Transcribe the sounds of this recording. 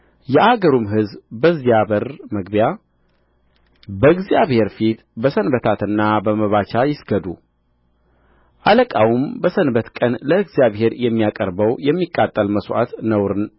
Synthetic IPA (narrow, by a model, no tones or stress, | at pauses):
jɛʔaɡəɾumɦɨzbəziaβəɾməɡbja | bəɨɡzijaβhe̞ɾfit̪bəsənbət̪ʰat̪ɨnːabəməβat͡ʃajɪsɡəd̪u | ʔaləkʼawumbəsənbət̪kʼənləɨɡzijaβhe̞ɾjɛmːijakʼəɾbəwjɛmːikʼːat̪ʼːəlməsʔa̰t̪nəwɾɨn